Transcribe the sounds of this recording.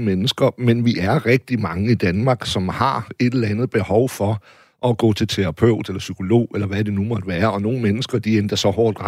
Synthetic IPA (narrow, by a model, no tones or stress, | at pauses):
menəsɡ̥ɐmenʋiʔæɐʁɛɡ̥̚d̥imɑ̈ŋəid̥ænmɑ̈ːɡ̥sɒ̽mhɑ̈e̝d̥elɐænð̩ˠb̥e̝hɒʊfɒ̽ | ʔɒɡ̥ɔ̰̽ːt͡sʰe̝lt͡sʰe̝ʁɑ̈pʰøʊ̰d̥elɐsykʰo̝lo̝̰ːelɐʋæd̥e̝numɒ̽d̥əʋæːɐɒ̽no̝ːn̩menəsɡ̥ɐd̥iend̥ɐsɒ̽hɒːd̥ʁɑ